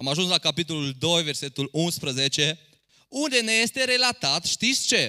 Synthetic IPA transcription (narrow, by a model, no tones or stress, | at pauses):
a̰maʒunslakapit̪o̞luld̪o̞jve̞rse̞t̪ulunspɾəzet͡ʃe̞ | und̪e̞neje̞st̪e̞ɾe̞lat̪at̪ʃt̪ist͡ʃe̞